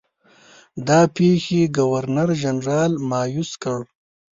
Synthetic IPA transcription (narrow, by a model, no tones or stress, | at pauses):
d̪ɑːpeːxeɡawaɾnaɾʒanɾɑːlmɑːjuskəɽ